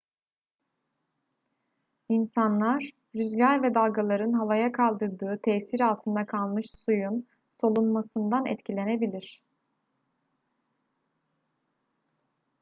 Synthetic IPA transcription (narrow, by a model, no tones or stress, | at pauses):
insanlˠaɾ̥ | ɾyzlʲæɾvɛd̪alˠɡalˠaɾɯnɦavajakʰalˠd̪ɯɾd̪ɯːt̪ʰɛsiɾalˠt̪ʰɯnd̪akʰalˠmɯʃsujun | so̞lˠunmasɯnd̪anɛ̰t̪cʰilʲe̞ne̞bilʲiɾ̝̥